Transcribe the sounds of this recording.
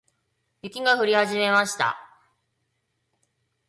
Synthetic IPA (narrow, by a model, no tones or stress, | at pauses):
jekʲiɡaɸɯ̟ɾʲihaʑime̞maɕi̥t̪a̰